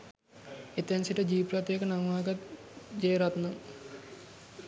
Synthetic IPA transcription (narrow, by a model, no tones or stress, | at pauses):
et̪ɐnsiʈɐd͡ʒiːpɾɐt̪jeːkɐnɐmʋaːɡɐt̪d͡ʒejɾɐt̪nɐm